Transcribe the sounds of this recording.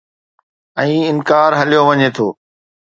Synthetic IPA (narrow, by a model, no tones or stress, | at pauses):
ɛ̃ːɪnkaːɾɦɐlijoʋɐɲet̪ʰoː